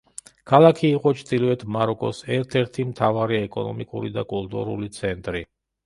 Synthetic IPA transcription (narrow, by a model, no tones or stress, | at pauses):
kʰalˠakʰiːqʼɔt͡ʃʰd̪ilvɛt̪ʰmaɾɔkʼɔsɛɾt̪ʰɛɾt̪ʰimt̪ʰavaɾiɛkʼɔ̰nɔ̰mikʼuɾid̪akʼulˠt̪ʼṵɾṵlit̪sʰɛnt̪ʼɾi